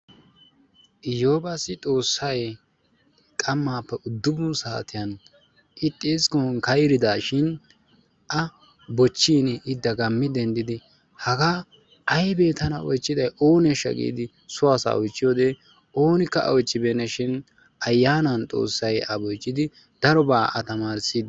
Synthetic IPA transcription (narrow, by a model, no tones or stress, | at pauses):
ʔɪjo̞ːbasɪt̪ʼo̞ːsːɐj | kʼɐmːaːpːɛʔʊd̪ːʊbʊnsaːt̪ɪjɐn | ʔɪt̪ʼːeːskɔnkɐjɾɪd̪aːʃɪn | ʔɐ | bɔt͡ʃːiːnɪd̪ːɐɡɐmːɪd̪ɛnd̪ɪd̪ɪ | hɐɡa | ʔɐjbe̞ːt̪ɐnɐɔjt͡ʃːɪd̪ɐjʔo̞ːnɛʃɐ̰kʼḭːd̪ɪ | sʊaːsɐ̰ɔjt͡ʃːɪjoːd̪ɛ | o̞ːnɪkːɐʔɐ̰wɔjt͡ʃʼːɪbeːnɐʃɪn | ɐjːaːnɐnt̪ʼo̞̰ːsːɐjɐbɔjt͡ʃʼːɪd̪ɪ | d̪̥ɐɾɔbaːʔɐt̪ɐmaːɾsiːd̪